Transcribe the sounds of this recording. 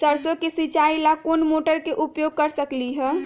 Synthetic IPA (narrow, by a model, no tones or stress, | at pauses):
t͡ʃəɾsokesit͡ʃailakonmoʈəɾkeʔupjoɡ̚kəɾsəkliɦɛ̃